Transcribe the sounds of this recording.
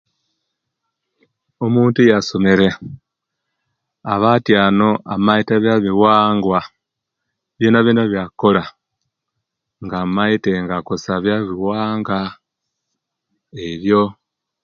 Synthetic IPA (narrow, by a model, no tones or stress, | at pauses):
omuːntujaso̞me̞ɾe̞ | aβatjaːno̞ʔamaiteβjaβiwaːŋɡwa | βjenaβjinaβjako̞la | ŋɡamaiteŋɡakosaβjaβiwaːŋɡa | eβjo̞